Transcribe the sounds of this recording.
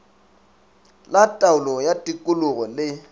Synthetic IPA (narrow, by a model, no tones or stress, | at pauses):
latʼaʊlɔjatʼikʼʊlʊɣɔlɪ